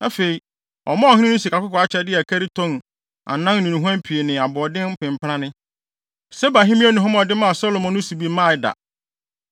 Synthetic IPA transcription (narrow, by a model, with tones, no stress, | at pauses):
a˦fe˨i˨ | ɔ̰˨mã˦ɔ˨hɪ̃˦nɪ̃˦nʊ̃˦si˨kʰa˨kʊ˦kʰɔ˨a˦t͡ɕʰɛ˦dɪ˦æ˨kʰɛ˦ɾi˦tʰɔ̃˦n | a̰˨nã˦nĩ˨nũ˨ɦã˦m˦pʰi˨e˨nɪ̃˨a˨bɔ˨ɔ˨dɪ̃˦n̩˦pʰɪ̃˨m˨pʰɾã˦nɪ̃˦ | sɛ˦ba˨ɦĩ˦mĩ˦æ˦nʊ̃˨ɦʊ̃˦m˦ɔ˨dɪ˦mã˦˨sɔ˦lo˨mɔ̃˦nʊ̃˦si˨bi˦mã˦˨˦da̰˨